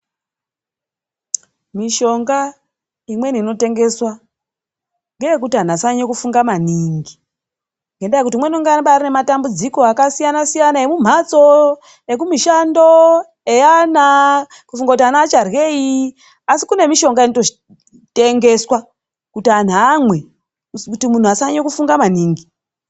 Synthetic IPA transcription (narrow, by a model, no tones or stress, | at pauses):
miʃo̞ŋɡa | imwe̞niːno̞te̞ŋɡe̞swa | ŋɡejekutian̤asaɲekufuŋɡamaniŋɡi | ŋɡe̞ndajekut̬imwe̞noŋɡanɓarinematambud͡ziko̞akasijanasijanaemum̤at͡so̞ | jekumiʃando̞ | ejana | kufuŋɡakutanaːt͡ʃarɣe̞i | asikune̞miʃo̞ŋɡainoto̞ʒi̥ | te̞ŋɡe̞swa | kutian̤amwe | kutimun̤uasaɲekufuŋɡamaniːŋɡi